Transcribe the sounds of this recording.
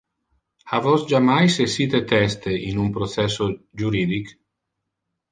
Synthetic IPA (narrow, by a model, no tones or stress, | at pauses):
avɔsd͡ʒamajsesiːt̪et̪ɛst̪einumpɾosɛso | d͡ʒuɾiːd̪ik